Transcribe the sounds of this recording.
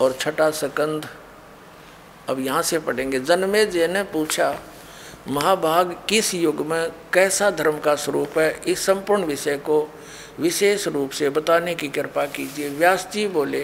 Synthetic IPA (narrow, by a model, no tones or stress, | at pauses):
ɔːɾt͡ʃʰɐʈasəkə̃nd̪ʱ | ɐbjɐɦãsepəɽ̤ẽːŋɡed͡ʒɐnmẽd͡ʒeːnepuːt͡ʃʰa | mɐɦaːbʱaːɡkɪsjʊɡmẽkɛːsad̪ʱəɾmkasəɾuːpɦɛɪsːə̃mpʊɾɳʋɪʃəko | ʋɪʃeːʃɾuːpsebət̪aːnekikɪɾpakiːd͡ʒieʋjaːst͡ʃiboːle